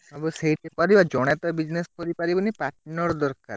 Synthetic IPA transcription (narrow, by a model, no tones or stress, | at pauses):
aboseɦiʈepɔɾibad͡ʒɔɽ̃ɛt̪ɔbid͡ʒneskɔɾipaɾibɔnipaʈnɔɾd̪ɔɾka̰ɾ